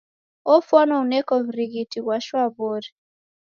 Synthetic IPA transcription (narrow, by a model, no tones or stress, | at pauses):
ɔfwɔnɔunɛkɔvɾiɡitiwaʃwaβoɾi